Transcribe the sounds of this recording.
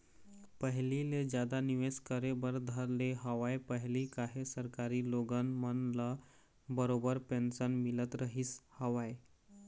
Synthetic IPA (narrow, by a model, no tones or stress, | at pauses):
pəɦliled͡ʑjad̪aniʋeskəɾebəɾd̪ʱəɾleɦəʋajpəɦlikaɦesəɾkaɾiːloɡənmənla | bəɾobəɾpensənmilət̪ɾəɦiːshəʋaj